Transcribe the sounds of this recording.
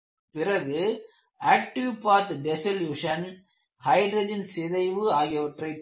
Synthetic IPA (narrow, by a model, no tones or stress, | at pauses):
pɪrɐɣɯ | aːk̚ʈɪʋpaːt̪ɖɛsɐljuːʂɐn | hɐɪɖɾɐd͡ʒɐnsɪðɐɪʋɯaːɣɪjɐʋɐʈrɐɪp